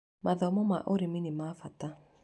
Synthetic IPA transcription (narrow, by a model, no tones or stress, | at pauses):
mʔaðɔmɔma̰ʔoɾiminimafata